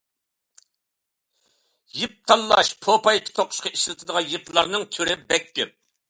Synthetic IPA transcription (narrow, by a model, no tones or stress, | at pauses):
jip̚t̪ʰɑlˠːɑʃpʰopɑjkʲʰɪ̥t̪ʰoqʰːʊ̥ʃqɑiʃlˠɨt̪ʰɨd̪əʁɑnjiplˠɑɾnɨŋt̪ʰyɾɪbɛkʲːɪp̚